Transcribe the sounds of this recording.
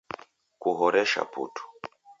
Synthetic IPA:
kuɦɔɾɛʃa̰pṵtʰu̥

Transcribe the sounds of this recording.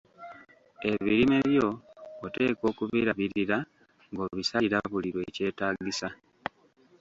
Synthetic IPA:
e̞βiɾime̞βjo̞ːte̞ːko̞ːkuβiːɾaβiɾiɾa | ŋɡo̞βisaiɾaβuliɾwe̞ce̞ːtaːɡisa

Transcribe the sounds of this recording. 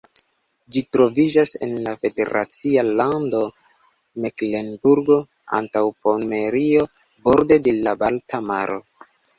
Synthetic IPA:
d͡ʒitɾo̞vid͡ʒase̞̰nlafe̞de̞̰ɾa̰t͡sialando̞ | mekle̞nbuɾɡo̞a̰ntawpome̞ɾiobo̞ɾde̞de̞labaltamaɾo̞̰

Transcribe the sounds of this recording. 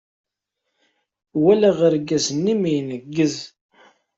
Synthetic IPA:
wælæʁəɾɡæsənːimijnəɡːəz

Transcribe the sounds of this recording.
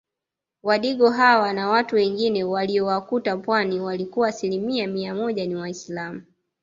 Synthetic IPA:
waɗiɠɔɦawanawatuwɛŋɡinɛwaliɔwakutapwaniwalikuaːsilimiamiamɔʄaniwaislamu

